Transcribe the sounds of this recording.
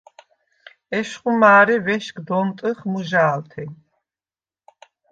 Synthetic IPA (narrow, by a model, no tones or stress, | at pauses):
ɛʃχumaːɾivɛʃkʼd̪ɔnt̪ʼɨχmuʒaːlt̪ʰɛ